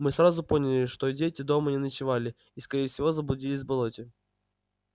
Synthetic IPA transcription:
mɨsɾazʊpo̞nʲɪlʲɪʂt̪odʲetʲɪd̪o̞mənʲɪnət͡ɕɪvalʲɪ | iskɐɾʲejɪfsʲɪvo̞zəblˠʊdʲilʲɪz̬ʲbɐlˠotʲɪ

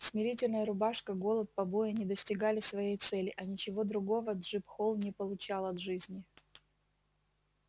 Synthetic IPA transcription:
smʲɪɾʲitʲɪlʲnəjəɾʊbaʂkəɡo̞lˠət̪̚pɐbo̞jɪnʲɪd̪əsʲtʲɪɡalʲɪsvɐjejt̪sɛlʲɪʔɐnʲɪt͡ɕɪvo̞d̪ɾʊɡo̞vəd̪ʐɨpxo̞lˠnʲɪpəlˠʊt͡ɕalˠɐt̪ʐɨzʲnʲɪ

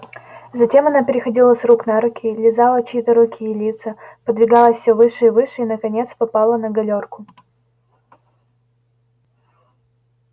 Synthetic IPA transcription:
zɐtʲe̞mɐnapʲɪɾʲɪxɐdʲilˠəsruknaɾʊkʲʰilʲɪzalˠət͡ɕːt̪əɾʊkʲijɪlʲit̪səpəd̪vʲɪɡɑlˠəsʲfsʲovɨʂɨivɨʂɨinəkɐnʲe̞t̪spɐpɑlˠənəɡɐlʲorkʊ̥

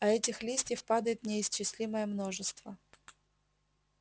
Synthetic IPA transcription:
ɐɛtʲɪxlʲisʲtʲɪfpad̪əjɪt̪nʲɪɪst͡ɕːɪsʲlʲiməjəmno̞ʐɨst̪və

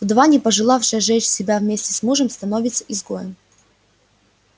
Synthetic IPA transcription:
ʊd̪vanʲɪpɐʐɨlˠafʂɨjəʐɛt͡ɕsʲɪbʲavmʲesʲtʲɪsmuʐəmst̪ɐnovʲɪt̪səʔɪzɡojəm

